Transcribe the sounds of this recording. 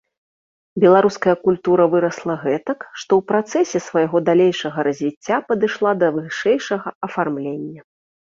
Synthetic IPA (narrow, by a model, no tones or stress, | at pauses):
bʲɛlˠaɾuskɐjɐkulʲt̪uɾɐvɨɾɐslˠɐɣɛt̪ɐkʂt̪ɔwpɾat̪sɛsʲɛsvɐjɣɔd̪alʲejʂɐɣɐɾɐzʲvʲit͡sʲːapɐd̪ɨʂlˠad̪ɐvɨʂɛjʂɐɣɐɐfarmlʲenʲːɐ